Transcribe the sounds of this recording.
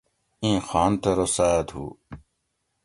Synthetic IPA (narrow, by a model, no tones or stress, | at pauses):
ĩːxaːnt̪ɐɾosaːd̪ɦṵː